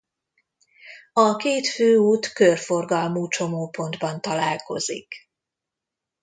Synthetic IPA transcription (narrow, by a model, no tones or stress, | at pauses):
ɒkeːt̪føːuːt̪kørfo̞rɡɒlmuːt͡ʃo̞moːpo̞nd̪bɒnt̪ɒlaːlko̞̰zḭk